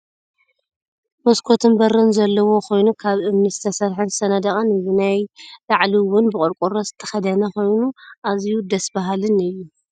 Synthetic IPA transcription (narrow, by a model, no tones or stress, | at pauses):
moskʰo̞t̪ʰɨnbɐɾɨnzɐlːɐwo̞kʰo̞jnukʰaβʔɨmnɨzɨt̪ʰɐsɐɾħɨnzsɐnɐd̪ɐkʼɐnzɨnajlaʕliwʊnbɨkʼɨɾkʼuɾɐzɨ̥t̪ʰːɐ̥xɐd̪ɐnɐko̞jnuʔazjud̪ɐsbaɦalɨnɨjːu